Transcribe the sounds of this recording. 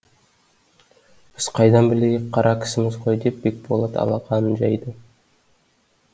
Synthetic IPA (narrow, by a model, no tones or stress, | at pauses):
b̥ɪz̥qʰɑjd̪ɑnbɪlejek̚qʰːɑɾʔɑkʲʰɪ̥sɪmɪzqo̞jd̪ep̚bek̚bolˠɑt̪ɑ̰lˠɑqɑnənʒɑjd̪ə